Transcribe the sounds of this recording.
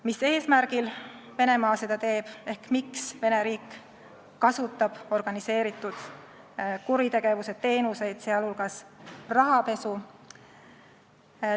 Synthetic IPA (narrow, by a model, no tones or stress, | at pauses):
mise̞ːsmæɾɡ̥ilve̞ne̞mɑːse̞d̪ɑt̪e̞ːb̥e̞hkmiksve̞ne̞ɾiːkː | ɑsut̪ːˑɑb̥o̞rɡ̥ɑnise̞ːɾit̪ːˑud̪̥ | kuɾit̪e̞ɡ̥e̞vuset̪ːe̞ːnuse̞jd̪̥seɑlhulɡ̥ɑsrɑɦɑpe̞su